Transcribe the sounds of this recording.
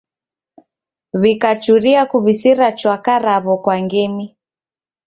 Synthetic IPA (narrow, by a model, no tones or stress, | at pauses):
βikat͡ʃuɾiakuβisiɾat͡ʃwakaɾaβɔkwaŋɡɛmi